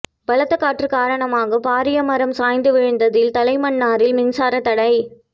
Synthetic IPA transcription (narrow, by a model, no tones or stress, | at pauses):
b̥ɐlɐt̪ːɐkːaːʈrɯkaːɾɐɳɐmaːɣɐpaːɾɪjɐmɐɾɐmsaːjnd̪ɯʋɪɻɯnd̪ɐðɪlt̪ɐlɐɪmɐɳːaːɾɪlmɪnsaːɾɐt̪ɐɽɐɪ